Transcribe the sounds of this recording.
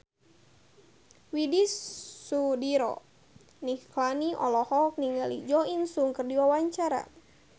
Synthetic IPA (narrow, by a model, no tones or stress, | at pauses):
widisːudiɾɔ̰ | niklaniʔɔlɔhɔk̚niŋalḭd͡ʒɔinsuŋkərdiwawaɲt͡ʃaɾa̰